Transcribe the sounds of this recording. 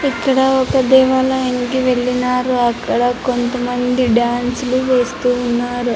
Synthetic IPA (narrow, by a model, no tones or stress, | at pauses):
ikːɐɽɐɔkɐd̪ɛːʋaːlɐeŋkiʋe̞ɭːinaːɾuɐkːɐɽɐkont̪ɐmɐnd̪iɖjaːnsuluʋe̞ːst̪uːnːaːɾu